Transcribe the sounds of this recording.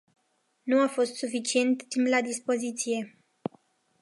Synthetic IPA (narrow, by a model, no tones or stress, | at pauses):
nuafo̞st̪sufit͡ʃie̞nt̪ːimplad̪ispo̞zit̪sije̞